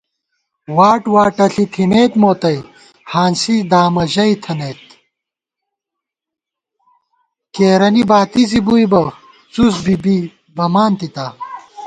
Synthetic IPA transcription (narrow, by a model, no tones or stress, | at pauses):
waːʈwaːʈɐɬit̪ʰineːt̪moːt̪ɐj | haːnsid̪aːmɐʑɐit̪ʰɐneːt̪ | keːɾɐnibaːt̪izibujbɐ | t͡susbibi | bɐmaːnt̪it̪aː